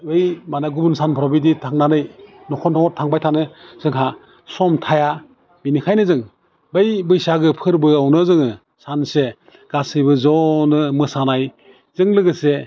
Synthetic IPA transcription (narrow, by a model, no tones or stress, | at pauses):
bɯjmanaɡubunsanpʰɔɾɔbiditʰaŋnanɯj | nɔkʰɔntʰɔŋɔɾ̚tʰaŋbajtʰanɯz̥ɯŋɦa | sɔmtʰaja | binikʰajnɯzɯŋ | bejbɯjsaɡɯpʰɯɾbɯawnɯzɯŋɯ | sanse | ɡ̥asɯjbɯzɔnɯmɯsanaj | z̥ɯŋlɯɡɯse